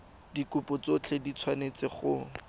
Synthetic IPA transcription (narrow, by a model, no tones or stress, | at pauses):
dikʊpʊt͡sot͡ɬʰedit͡sʰwanet͡sɪχʊ